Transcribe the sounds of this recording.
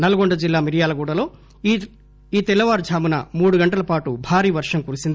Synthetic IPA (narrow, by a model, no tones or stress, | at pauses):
nɐlɐɡoɳɖɐd͡ʒilːaːmiɾijaːlɐɡuːɽɐlo̞ː | iːt̪ɛlːɐʋaːɾd͡ʒʱaːmunɐ̰muːɽuɡɐɳʈɐlɐpaːʈubʱaːɾiːʋɐɾʂɐmkuːɾusind̪i